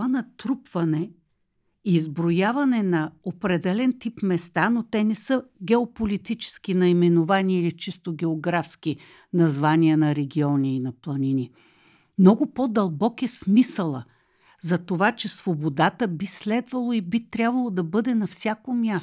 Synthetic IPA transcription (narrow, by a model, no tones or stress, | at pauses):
anɐt̪ɾupv̥ɐnɛ | iːzbɾojavɐnɛnɐopɾɛd̪ɛlɛnt̪ipmɛst̪anot̪ɛnɛsɤɡʲɛopolit̪it͡ʃɛ̥sk̟inɐimɛnovaniilit͡ʃist̪oɡʲɛoɡɾafski | nɐzvaniənɐɾɛɡʲiɔniːnɐplˠɐninʲi | mnɔɡʊpɔd̪ɐlˠbɔkɛsmisəlˠə̰ | zɐt̪ovat͡ʃɛsvobod̪at̪əbislɛd̪vɐlˠoibit̪ɾʲabvɐlˠod̪ɐbɤd̪ɛnɐfsʲjakomʲjas